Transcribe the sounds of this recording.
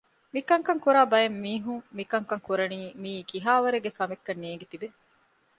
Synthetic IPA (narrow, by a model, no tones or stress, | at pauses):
mikɐŋkɐŋkuɾaːbɐjemːiːɦuŋmikɐŋkɐŋkuɾɐniːmiːkiɦaːʋɐɾeɡekɐmekːɐnːijeɡet̪ibe